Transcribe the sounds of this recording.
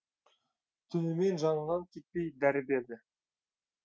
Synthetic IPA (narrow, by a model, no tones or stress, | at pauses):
t̪ʰʏnɪme̞nʒɑnəɴnɑnkʲʰet̪̚pe̞jd̪æɾɪbe̞ɾd̪ɪ